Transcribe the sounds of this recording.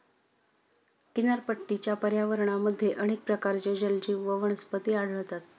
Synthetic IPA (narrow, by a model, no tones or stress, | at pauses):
kinəɾpəʈːit͡ɕjapəɾjaʋəɾɳaməd̪ʱːjeʔəɽ̃ek̚pɾəkaɾt͡ɕed͡ʑəld͡ʑiːʋəʋəɳ̃əspət̪iːaɽ̤əɭt̪at̪̚